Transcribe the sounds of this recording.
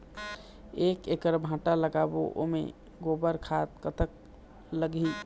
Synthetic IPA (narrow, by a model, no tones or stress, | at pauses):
ekekəɾbʱãːʈaləɡaboʔo̰mḛ | ɡobəɾkʰat̪̚kət̪ʰək | ləɡi